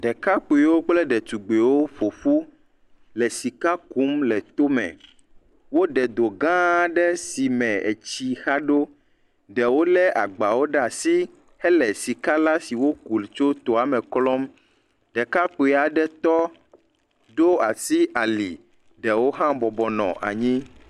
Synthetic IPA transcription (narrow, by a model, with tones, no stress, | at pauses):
ɖɛ˨ka˦k͡pu˨i˨wo˦k͡plɛ˦ɖɛ˨t̪u˨ɡ͡be˨wo˦ɸo˨ɸu˦ | lɛ˨si˨ka˦ku˨˦mlɛ˨t̪o˦mɛ̰̃˨ | wo˦ɖɛ˨d̪o˨ɡã˦ɖɛ˦si˨mɛ̃˨ḛ˨t͡ɕi˦xa˦ɖo˦ | ɖɛ˨wo˦lɛ˦ʔa̰˨ɡ͡ba˨wo˦ɖɛ˦a˨si˦ | hɛ˦lɛ˨si˨ka˦la˦si˨wo˦ku˨lt͡ʃo˦t̪o˨a˨mɛ̃˨klɔ˦m | ɖɛ˨ka˦k͡pu˨ɛ˨a˨ɖɛ˦t̪ɔ˦ | d̪o˦a˨si˦a˨lḭ˨ | ɖɛ˨wo˦ɦã˦bɔ˨bɔ˨nɔ̰̃˨ʔa̰˨ɲĩ˦